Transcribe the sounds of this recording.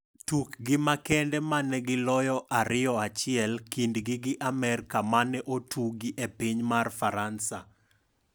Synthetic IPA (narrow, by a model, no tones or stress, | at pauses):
tukɡɪmakɛndɛmanɛɡɪlɔjɔʔaɾɪɔat͡ʃɪɛlkindɡɪɡɪʔamɛɾkamanɛʔotʰuɡiʔepiɲmarfaɾansa